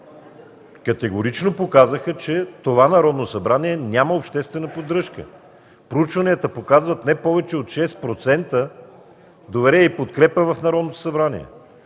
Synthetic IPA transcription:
kɐt̪ɛɡoɾit͡ʃnopokazəxət͡ʃɛt̪ovanɐɾɔd̪nosɐbɾaniɛnʲaməopʃt̪ɛst̪vɛnəpod̪ɾɤʃkə̰ | pɾout͡ʃvɐniət̪əpokazvət̪nɛpɔvɛt͡ʃɛot̪ʃɛspɾot̪sɛnt̪ə | d̪ovɛɾɛɛipot̪kɾɛpəvɐfnɐɾɔd̪not̪o̥sɐbɾanḭɛ̰

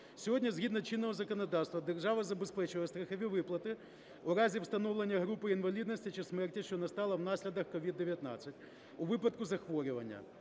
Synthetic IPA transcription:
sʲɔɦɔdʲnʲɐzʲɣʲid̪nɐt͡ʃinːɔɦɔzɐkɐnɐd̪ɑwst̪ʋɐd̪erʐɑʋɐzɐbespɛt͡ʃɪʋɐjɐst̪ɾɐxɐʋʲiʋɪplˠɐt̪ɪ | ʊɾɑzʲiwst̪ɐnɔwlˠenʲːɐɦɾupɪinʋɐlʲid̪nɐsʲtʲit͡ʃɪsmɛrtʲiʃt͡ʃɔnɐst̪ɑlˠɐwnɑsʲlʲɪd̪ɐxkɔʋʲid̪ːeʋʲjɐt̪na̰sʲɐtʲ | uʋɪpɐt̪̚kʊzɐxʋɔɾʲʊʋɐnʲːɐ̰

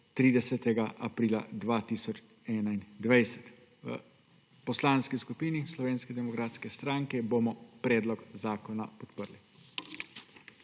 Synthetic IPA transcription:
t̪ɾiːd̪ɛsɛt̪ɛɡaʔapɾiːla̰d̪ʋaːt̪iːsɔt͡ʃ | ɛːnaind̪ʋajsɛt̪ | ʋə̰ | pɔslaːnskiskupiːnislɔʋeːnskɛd̪ɛmɔkɾaːt̪skɛst̪ɾaːŋkɛboːmɔpɾɛːd̪lɔkzaːkɔnapɔt̪pəɾli

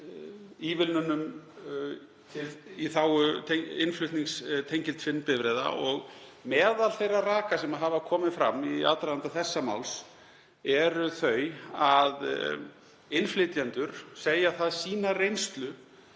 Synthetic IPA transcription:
iːvɪlnʏnʏm | ɪiθawʏt̪ʰeɪnflʏht̪niŋst̪ʰejɲcɪlt̪fɪnpɪvɾɛða̰ʔɔɣmɛːðalθejraraːkasɛmaɦaːvakʰɔːmɪðfɾa̰mːia̰t̪ɾaðant̪aθɛsːama̰wls | ɛɾʏθœːɥað | ɪnflɪt̪jant̪ʏɾ̥sejaθaðsiːnarejnst̪lʏ

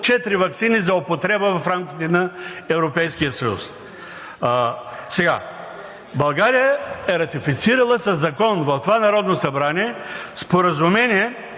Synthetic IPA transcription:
t͡ʃɛt̪ɾivɐksinizɐopot̪ɾɛbəvɐfɾamkʲit̪ɛnɐɛvɾopɛjskijəsɐjṵs | sɛɡa̰ | bɐlˠɡaɾijəɛɾɐt̪ifit̪siɾɐlˠəsɐzːɐkɔnvɐft̪ovanɐɾɔd̪nosɐbɾaniɛspoɾɐzumɛniɛ

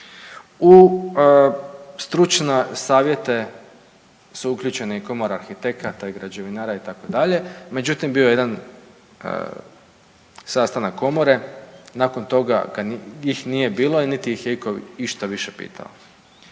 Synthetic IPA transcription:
u | st̪ɾut͡ʃnesaːʋjet̪e̞ | suukʎʲut͡ʃe̞neiko̞moɾaːɾxit̪ekat̪aiɡɾad͡ʑe̞ʋinaːɾait̪akod̪aʎe̞me̞d͡ʑut̪imbioje̞d̪an̰ | saːst̪anakːo̞moɾe̞nako̞nt̪o̞ɡa̰ɡajixnije̞biːlˠoinit̪ijixjeiko̞iʃt̪aʋiʃepḭːt̪ʰa̰o̰

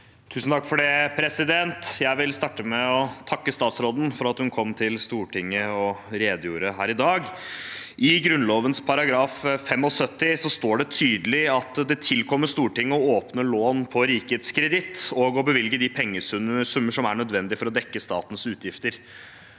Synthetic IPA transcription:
t̪ʰʉːsn̩t̪ʰɑkfɔɖeːpʰɾɛsɪd̪ɛnt̪jæɪʋɪlst̪ɑʈːəmɛɔt̪ʰɑkːəst̪ɑːt̪sɾoːd̪n̩fɔɾɑt̪hʉnkʰɔmːt̪ʰɪlst̪uːʈʰɪŋːəɔɾeːd̪ɪuːɾəɦæːɾɪd̪ɑːɡ | ʔɪɡɾʉnloːʋənspʰɑɾɑɡɾɑːffɛmːɔsœt̪ːɪsɔst̪oːɖɛt̪ʰyːd̪əlɪɑt̪d̪ɛt̪ʰɪlkʰɔmːəst̪uːʈɪŋːəɔoːpnəɭoːnpʰɔɾiːkəheːt̪skʰɾɛd̪ɪt̪ːoːɡɔbəʋɪlɡəd̪ɪpʰɛŋːəsʉsʉmːəʂɔmæɳœd̪ʋɛnd̪ɪfɔɾɔd̪ɛkːəst̪ɑ̰ːt̪nsʉːt̪ʰjɪft̪əɾ

